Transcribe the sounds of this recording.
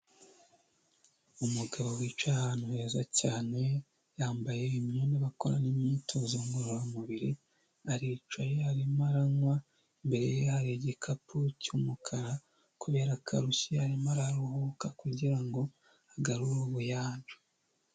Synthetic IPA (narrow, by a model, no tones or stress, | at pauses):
umuɡaβowiːt͡ʃwahaːnuhe̞ːzacaːne̞ | jaːmbaje̞imɲoːneβakoɾa̰nimɲitʰozoŋɡoɾuɾamuβiɾi | aɾiːt͡ʃwajeaɾimaɾaŋwa | mbe̞ɾejehaɾeɟekʰapʰucumukʰaɾa | kuβe̞ːɾakʰaɾusiaɾimaɾaɾuhukakuɟiɾaŋɡo̞ | aɡaɾuɾuβujaːɲɟu̥